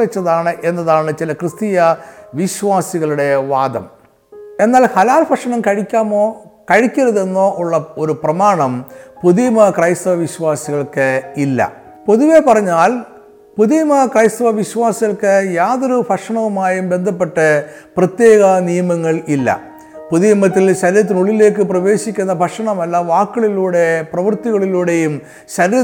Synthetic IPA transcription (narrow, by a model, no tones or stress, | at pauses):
ʋɐt͡ɕːɐðaːɳɨʔe̞nːɐðaːɳɨt͡ɕilɐkrɨst̪ijɐʋiɕwaːsiɣɐɭuɽe̞ʋaːd̪ɐ̰m | e̞nːaːlhɐlaːlpʰɐkʂɐɳɐmkɐɻikʲːaːmoːkɐɻikʲːɐɾɐðenːoːʔuɭːɐoɾuprɐmaːɳɐmpuðijmɐkrɐjst̪ɐʋɐʋiɕʋaːsiɣɐɭkɨilːɐ̰ | po̞ðuʋe̞pɐrɐɲːaːl | puðijɐmɐkrɐjst̪ɐʋɐʋiɕʋaːsiɣɐɭkɨjaːðo̞ɾubʱɐkʂɐɳɐʋumaːjumbe̞nd̪ʱɐpːe̞ʈːɨprɐt̪je̞ːɣɐnijɐmɐŋːɐɭilːɐ̰ | puðijɐmɐt̪̬ːilɕɐɾiɾɐt̪̬ːinuɭːile̞ːkːɨprɐʋe̞ːɕikʲːunːɐbʱɐkʂɐɳɐmɐlːɐʋaːkːɐɭiluːɽe̞prɐʋɐrt̪iɣɐɭiluːɽe̞jum | ɕɐɾiɾɐ